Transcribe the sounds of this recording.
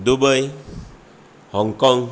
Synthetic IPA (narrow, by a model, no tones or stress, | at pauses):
d̪ubəj | hɔŋkɔŋ